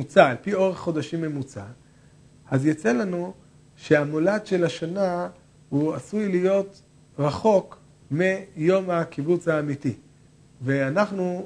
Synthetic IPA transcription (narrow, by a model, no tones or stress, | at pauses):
ut͡saːlpio̞ʁeχːo̞daʃimːe̞mut͡sa̰ | ʔazjat͡se̞lanu | ʃeamoladʃe̞laʃana | huasujlijo̞t | ʁaχo̞k | mijo̞makibut͡shaːmiti | veanaχnu